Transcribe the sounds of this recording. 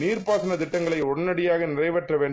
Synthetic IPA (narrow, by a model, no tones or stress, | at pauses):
niːrpaːsɐnɐt̪ɪʈːɐŋɡɐɭɐɪɔɽɐnɐɽɪjaːɣɐnɪrɐɪʋɐʈrɐʋeːɳɖ